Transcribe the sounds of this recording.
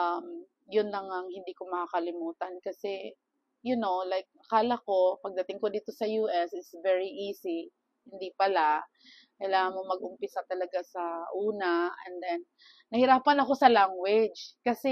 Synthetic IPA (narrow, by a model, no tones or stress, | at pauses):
ʔɐm | jʊnlɐŋɐŋhɪnd̪ikomɐkakɐlɪmuːt̪ɐnkɐsɛ | jʊnowlajk̚ʔɐkaːlɐko̞pɐɡ̚d̪ɐt̪ɪŋkod̪iːt̪o̞sɐjuːʔɛsɪt̪svɛɹiʔiːsi | hɪnd̪ipɐla | kɐjlaːŋɐnmomɐɡ̚ʊmpɪsat̪ɐlɐɡasɐʔuːnaɛ̰nd̪ɛnː | ɐhɪɾaːpɐnɐko̞sɐlaŋwɛd͡ʒkɐsɛ